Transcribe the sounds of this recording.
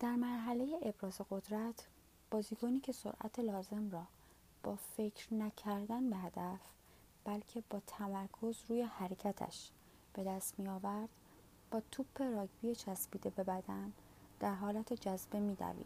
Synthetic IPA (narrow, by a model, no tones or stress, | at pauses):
d̪̥æɾmæɾɦæle̞jeʔebɾɒːze̞ɣo̞d̪ɾæt̪ʰ | b̥ɒːziːkʰoniːcʰe̞so̞̰ɾʔæ̰t̪ʰelɒːze̞mrɒː | b̥ɒːfe̞cʰɾnæcʰæɾd̪ænbe̞ɦæd̪æf | b̥ælcʰe̞bɒːt̪ʰæmæɾkʰo̞zɾuːjehæɾecʰæt̪ʰæ̰ʃ | b̥e̞d̪æst̪mijɒːvæɾd̪̥ | b̥ɒːt̪ʰuːpʰːe̞ɾɒːɟbijet͡ʃʰæsbiːd̪e̞be̞bæd̪æn | d̪̥æɾɦɒːlæt̪ʰed͡ʒæzbe̞miːd̪æ̰vḭːd̪̥̚